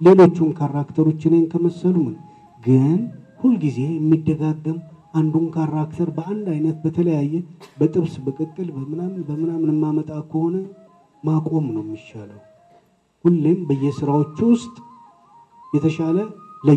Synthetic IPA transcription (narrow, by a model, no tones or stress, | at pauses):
le̞lo̞t͡ʃːunkʰaɾakt̪ʰəɾo̞t͡ʃːɪnenkʰəməsːəlumɨn | ɡɨnhulɡize̞jɛmːid̪ːəɡaɡːəmʔand̪unkʰaɾakt̪ʰəɾbəand̪ajnət̪bət̪ʰələjajːɛbət̪ʼɨβsbəkʼət̪ʼːɨlbəmɨnamnbəmɨnamɨnɨmːamət̪ʼakʰəho̞nə | makʼo̞mnəwjmːiʃaləw | hulːembəjːɛsɨɾawo̞t͡ʃːwʊst̪ʼ | jɛt̪ʰəʃalələ